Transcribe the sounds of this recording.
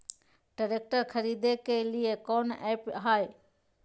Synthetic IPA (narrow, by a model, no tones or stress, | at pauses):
ɖəɾeːk̚ʈəɾkʰəɾiːd̪ʱekelijekoːnɛːpɦaːe